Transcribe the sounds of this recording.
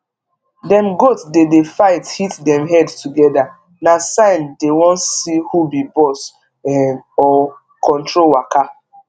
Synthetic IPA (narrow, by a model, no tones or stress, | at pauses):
dɛ̃nɡotdedefaɪthitdɛ̃mɦɛdtuɡɛda | nasãɪndewɔ̃ntsihubibɔs | ɛɔ | kʰɔ̃ntɹowaka